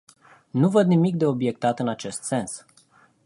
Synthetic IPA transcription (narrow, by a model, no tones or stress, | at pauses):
nuvəd̪nimik̚d̪e̞o̞bje̞k̚t̪at̪ɨnat͡ʃe̞st̪se̞ns